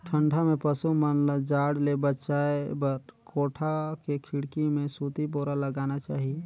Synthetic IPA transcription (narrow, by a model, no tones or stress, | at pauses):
ʈʰəɳɖʱamẽpəsumənlad͡ʒaːɽlebətːʃaebəɾkoːʈʰakekʰiɽkimẽsut̪ip̬oɾaləɡaːnat͡ʃaːɦie